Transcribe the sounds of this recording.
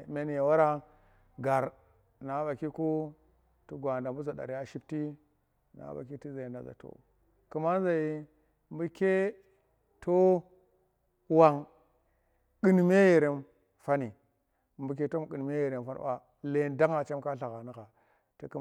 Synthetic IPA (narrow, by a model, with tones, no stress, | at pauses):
me˨n˨ja˨wa˦ɾa˦ | ɡa˨ɾ | na˨˦ba˨ki˦ku˦ | tu˦ɡʷa˨nda˨mbu˦za˨da̰˨ɾi˦ja˦ʃi˦b̚ti˦ | na̰˨˦ba̰˨ki˦ti˦za˨i˨nda̰˨za̰˨to̰˨ | ku˨ma˦n˦za˨ji˦ | mbu˦ke˦ | to˦ | wa˨ŋ | ki˦n˨me˦je˨ɾe˨n | fa˦ni˨ | mbu˨k̬e˦to˦m˨ɡi˨n˨me˦je˨ɾe˨mfa̰˦ɾa̰˨ | le˨nda˦ŋa˨t͡ʃe˦m˦ka˦ɬa˨ɣa˨ni˦ɣa˨ | ti˦ku˦